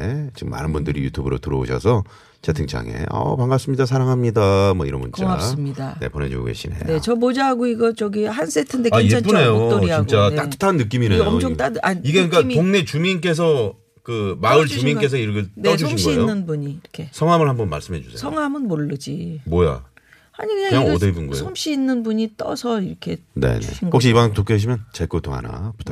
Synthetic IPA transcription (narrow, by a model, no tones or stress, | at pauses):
et͡ɕimːa̰nɯnbundɯɾḭjutʰubɯɾo̰tɯɾʌo̰ɕʰʌsʰʌ | t͡ɕetʰɯŋt͡ɕʰa̰ŋe̞̰ʌ̰paŋɡas͈ɯmɲidas̬ʰaɾaŋɦamɲidamwʌḭɾʌnbunt͡ɕ͈aŋas͈ɯmɲidane̞̰pone̞̰d͡ʑṵɡo̰ɡe̞̰ɕʰinḛjneot͡ɕʌmod͡ʑaɦaɡoiɡʌt͡ɕʌɡihansʰetʰendeaiapune̞jooɾit͡ɕiant͡ɕ͈at͈aɯ̥tʰanːɯk͈iminejot͈adaiɡekɯɲik͈aoŋne̞t͡ɕumink̬͈e̞s̬ʰʌ | kɯmaɯɭt͡ɕumink͈e̞sʰʌiɾʌkʰeʌd͡ʑɕimnɡɕɡʌiḛjonːɯnbuɲikʰesʰʌŋɦamɯɭhambʌnma̰ɭs͈ɯmɦe̞d͡ʑusʰesʰʌŋɦamɯnmoɭːɯd͡ʑimoja̰ | haɲikɯɲakɲaʌdɯebunɡo̰sʰomɕ͈ʰiːnːɯnbuɲit͈ʌsʰʌiɾʌkʰe̞ne̞̰nḛŋhok̚ɕ̬͈iibʌnktok͈ʰeɦaɕ̬ʰimjʌnt͡ɕeɭk͈oto̰ŋɦa̰na̰pu̥ttʰa